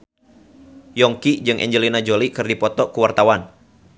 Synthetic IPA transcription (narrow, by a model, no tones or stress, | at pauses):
jɔŋkid͡ʒɨŋʔɛ̰ɲd͡ʒəlinad͡ʒolikɨrdipɔt̪ɔkuwart̪awan